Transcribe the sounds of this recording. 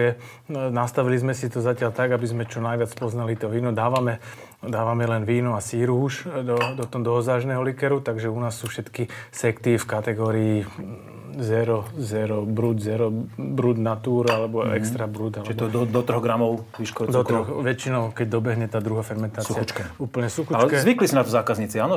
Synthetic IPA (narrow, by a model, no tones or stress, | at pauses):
ɛ | nast̪aʋilizmɛsit̪ɔzacɪalt̪aɡabizmɛt͡ʃɔnajʋɪat͡spɔznalit̪ɔʋiːnɔd̪aːʋamɛ | d̪aːʋamɛlɛnʋiːnɔasiɾuːʃd̪ɔd̪ɔt̪ɔd̪ɔɦɔzaːʒnɛɦɔlikɛɾut̪aɡʒɛunaːsːuːfʃɛt̪kisɛkt̪ifkat̪ɛɡɔːɾiː | zɛɾɔzɛɾɔbɾud̪zɛɾɔbɾud̪nat̪uːɾalɛbɔɛ̰kst̪ɾabɾud̪alɛɔd̪ɔd̪ɔt̪ɾɔɣɡɾamɔʊʋiʃkɔɾɔd̪ɔt̪ɾɔxʋɛt͡ʃinɔʊkɛɟd̪ɔbɛɦɲɛt̪aːd̪ɾuɦaːfɛɾmɛnt̪aːt͡ssuxiaut͡ʃkɛuːpl̩ɲɛsuxuat͡ʃɛkɛzʋiklisinat̪ɔzaːkazɲit͡siaːnɔ